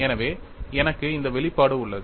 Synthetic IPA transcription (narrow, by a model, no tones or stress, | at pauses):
ɛnɐʋeːɛnɐkːɯɪnd̪ɐʋɛɭɪpːaːɽɯʊɭːɐð